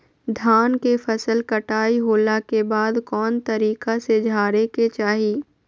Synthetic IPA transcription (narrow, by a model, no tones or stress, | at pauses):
d̪ʱaːnkefʰɐsəlkɐʈaːiɦoːlakebaːd̪kɔːnt̪ɐɾiːkased͡ʒʱaːɾeket͡ʃaːɦiː